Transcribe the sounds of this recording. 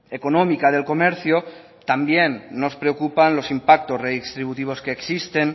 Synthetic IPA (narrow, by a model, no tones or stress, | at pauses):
e̞ko̞nõ̞mikað̞e̞lko̞me̞ɾθjo | t̪ambje̞nːo̞spɾe̞okupanlo̞simpak̚t̪o̞sreðist̪ɾiβut̪iβ̞o̞ske̞ːksist̪e̞n